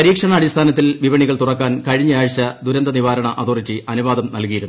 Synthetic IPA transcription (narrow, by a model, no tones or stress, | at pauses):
pɐɾiːkʂɐɳɐːɽist̪ʰaːnɐt̪ːilʋiʋɐɳiɣɐɭt̪urɐkːaːnkɐɻiɲːɐaːɻt͡ɕːɐd̪uɾɐnd̪ɐniʋaːɾɐɳɐʔɐðurit͡ɕːiʔɐnuʋaːðɐmnɐlkijiɾunː